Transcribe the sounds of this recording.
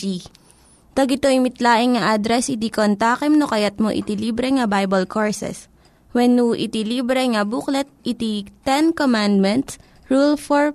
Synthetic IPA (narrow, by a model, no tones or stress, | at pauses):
t̪ɐɡɪt̪oʔimɪt̪laːʔɪŋŋɐʔad̪ɾɛsɪd̪ikont̪aːkɛmnokɐjɐt̪̚moʔɪ̰t̪iliːbɾɛŋɐbajbɐlkʰoɹsɛ̰s | wɛnːuʔɪ̰t̪iliːbɾɛŋɐbuklɛt̪̚ʔit̪it̪ɛnkomand̪̚mɛ̃nt̪s | ɹulfɔɹ